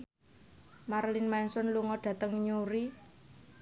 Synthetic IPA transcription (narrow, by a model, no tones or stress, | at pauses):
marlinmɛnsɔnluŋɔɖ̥a̤t̪əŋɲuɾi